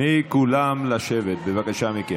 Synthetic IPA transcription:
ikulamlaʃevet̪̚bevakaʃamike

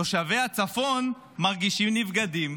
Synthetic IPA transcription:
oʃavejat͡safo̞n | maʁɡiʃimnivɡadim

